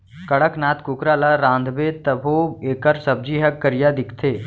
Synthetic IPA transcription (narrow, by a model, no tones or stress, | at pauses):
kəɽəknaːt̪kʊkɾaːlaɾãːnd̪ʱbeːt̪əbʱoːeːkəɾsəb̚d͡ʒiɦəkːəɾɪjad̪ɪkʰt̪ʰeː